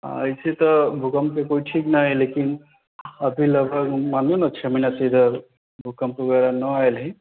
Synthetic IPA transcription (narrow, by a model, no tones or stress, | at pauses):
a̰jt͡ʃʰet̪ɔbʱukəmkekoiʈʰiknaɦilekin | əbʱiləbʱəkmanunət͡ʃʰɛminased̪ʱəɾ | bʱukəmkeɡɛɾanəaelɦi